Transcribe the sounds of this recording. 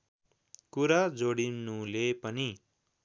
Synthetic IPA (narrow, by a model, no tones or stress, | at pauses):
kuɾad͡zoɽinulepʌni